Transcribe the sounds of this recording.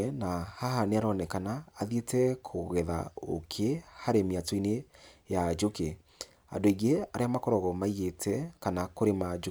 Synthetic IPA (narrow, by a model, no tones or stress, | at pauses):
ɛnahaɦaneaɾɔnɛkanaːðietɛkʰoɣɛða̰o̰kʰehaɾemiatɔinejad͡ʒoke | a̰ndoiɣeaɾeamakɔɾɔɣɔmaiɣetʰɛkanakoɾemad͡ʒo